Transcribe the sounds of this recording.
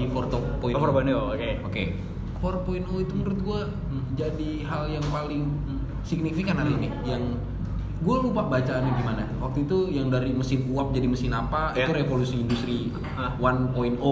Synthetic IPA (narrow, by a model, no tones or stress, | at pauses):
ifɔrt̪ɔpoiɔpɔnokeoke | fɔrpoinoit̪uməɾʊt̪̚ɡua | d͡ʒadi | ɦaljaŋpalɪŋ | siɡ̚nifikanaɾinɪhjaŋ | ɡualupabat͡ʃanɪɡimanawak̚t̪uit̪ujaŋdaɾiməsɪnuap̚d͡ʒadiməsɪnapaiuɾefolusiːndust̪ɾi | wanpoino